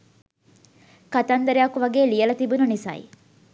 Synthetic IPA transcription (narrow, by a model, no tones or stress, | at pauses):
kɐt̪ɐnd̪ɐɾeakuʋɐɡeːlijɐlɐt̪ibununisɐ̰ḭ